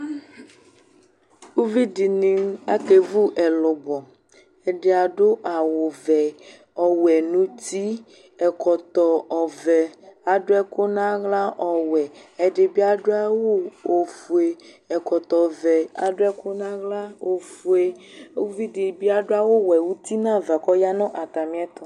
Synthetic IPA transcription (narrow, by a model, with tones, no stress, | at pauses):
wu˦vi˦di˨nĩ˨a˦ke˨vu˦ʔɛ˨lɔ˨bɔ˨ | ɛ˨ɖe˦a˨ɖo˦ʔa˨wo˨vɛ˨ | ɔ˨wɛ˨nũ˦t̪i˦ | ɛ˨kɔ˨t̪ɔ˨ɔ˨vɛ˨a˨ɖo˦ɛ˦ko˦nã˦ɣla˦ʔɔ˨wɛ˨ɛ˨ɖɪ˨bi˦a˦ɖo˦a˦wo˦o˨fu˨e˨ | ɛ˨kɔ˨t̪ɔ˨vɛ˨a̰˨ɖo˦ɛ˦ko˦nã˦ɣla˦o˨fu˨e˦vi˦dɪ˨bi˦a˨ɖo˦a˦wo˦wɛ˨wu˦t̪i˦nã˦va˨kɔ˦ja˦nɔ̃˦ʔa˨t̪a˨mĩ˦ɛ˦t̪ɔ˨